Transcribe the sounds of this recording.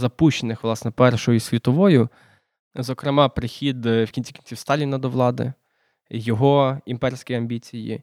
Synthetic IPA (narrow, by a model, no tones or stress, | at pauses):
zɐpuʃt͡ʃenɪxʋlˠɑsnɛpɛrʃɔjʊsʲʋʲit̪ɔʋɔjʊ | zɔkɾemɑpɾɪxʲid̪wkʲinʲt͡sʲi̥kʲinʲt͡sʲiwst̪ɑlʲinɐd̪ɔʋlˠɑd̪ɪ̰ | jɔɦɔimpɛrsʲkɪjɐmʲbʲit͡sʲijḭ